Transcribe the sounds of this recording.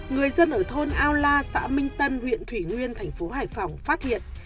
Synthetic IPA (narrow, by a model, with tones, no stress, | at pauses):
ŋɨ˨˩əjzə˧nʔəː˧˩t̪ʰo˧nʔaː˧wlaː˧sa̰ː˧˥mï˧ŋ̟t̪ə˧nhwḭ˧˨ənt̪ʰwi˧˩ŋwi˧ənt̪ʰa˨˩jŋ̟fo˨˦ɦaː˧˨˩jfa˨˧˩wŋ͡mfaː˦˥t̚hḭ˧˨ən